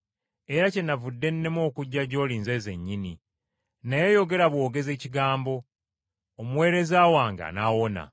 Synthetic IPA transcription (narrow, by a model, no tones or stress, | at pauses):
e̞ɾace̞navudːe̞nːe̞mo̞ːkuɟːaɟo̞ːliːnze̞ːze̞ɲːini | naje̞jo̞ɡe̞ɾaβwo̞ːɡe̞ze̞ːciɡaːmbo̞ː | muwe̞ːɾe̞zaːwaːŋɡa̰nawo̞na̰